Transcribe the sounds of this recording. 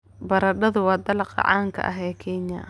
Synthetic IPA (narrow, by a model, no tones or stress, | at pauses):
bɐɾɐɖɐðʊwɑːd̪ɐlɑqɑ̰ʕɑ̰ːŋkʰɐ̰ʔɐ̰ɦɛːkʰɛɲjɐ̰